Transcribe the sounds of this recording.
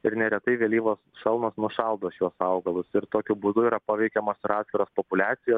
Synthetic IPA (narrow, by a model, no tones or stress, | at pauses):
ɪɾnʲɛɾʲɛt̪ɐɪʋʲɛlʲiːʋoːsʃɐlˠnoːsnʊʃɐlˠd̪oːʃjuɔsɐʊɡɐlˠʊsɪɾt̪oːkʲʊbuːd̪ʊiːɾɐpɐʋʲɛɪkʲɛmoːsɪɾɑːt̪skʲɪɾoːspopʊlʲæːt̪sʲɪjoːs